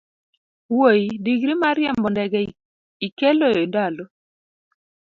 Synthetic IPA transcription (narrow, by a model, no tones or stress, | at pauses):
wojidiɡɾimaɾjɛmbɔndɛɡɛ | ikeloondalo